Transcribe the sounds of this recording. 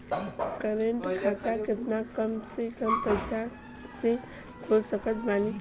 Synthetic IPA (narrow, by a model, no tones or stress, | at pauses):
kəɾeɳʈkʰat̪akɪt̪nakəmsekəmkəɾt͡ʃa | se | kʰosəkət̪bani